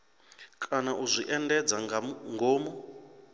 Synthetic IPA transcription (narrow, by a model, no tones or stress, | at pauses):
kʼanaʔuzʷiʔɛndɛd͡zaŋɡʱoːmɔ